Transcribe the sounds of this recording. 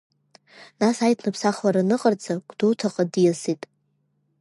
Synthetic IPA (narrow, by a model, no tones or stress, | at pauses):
nasajtʰnɨpʰsaχlaɾanɨqʼərd͡zʰʼakʷʼdotʰaqʼadjasitʼ